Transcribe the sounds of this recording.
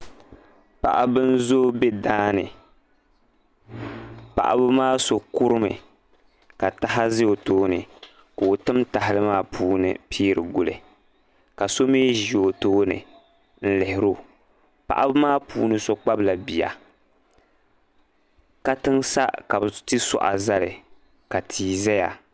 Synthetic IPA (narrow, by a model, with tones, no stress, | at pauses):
pa̰˨ʔa˨bɨ˦n̩˦zo˦be˦daː˦nɨ˨ | pa̰˨ʔa̰˦bɨ˦maː˦so˨ku˦ɾɨ˦mɨ̰˨ | ka˨ta˦ɦa˦zɪ˦o˨toː˦nɨ̰˨ | ka˨o˨tɨ˦mta˨ɦɪ˨lɨ˦maː˦pʰuː˦nɨ̰˨pʰiː˦ɾɨ˨ɡʊ˨lɨ̰˨ | ka˨so˦miː˦ʒi˨o˨toː˦nɨ̰˨ | n̩˦lɨ˨hɪ˨ɾo˦ | pa̰˨ʔa˦bɨ˦maː˦pʰṵː˦nɨ˦so˦k͡pa˦bla˨bi˨ja̰˨ | ka˦tɨ˦ŋsa̰˦ka˨bɨ˨tɨ˦sɔ̰˨ʔa̰˨za˦lɨ˨ | ka˨tʰiː˨zɛ˦ja˨